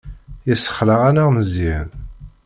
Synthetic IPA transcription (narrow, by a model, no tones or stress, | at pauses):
jəsːə̥χləʁænaʁməzið